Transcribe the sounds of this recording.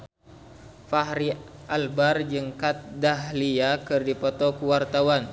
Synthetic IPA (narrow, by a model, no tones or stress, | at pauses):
faɦɾiʔalbard͡ʒɨŋkat̪̚daɦliakɨrdipɔt̪ɔkuwart̪awan